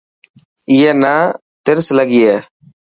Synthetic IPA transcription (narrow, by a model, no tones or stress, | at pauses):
iːɛːnaː | t̪ɪɾsləɡiːɛː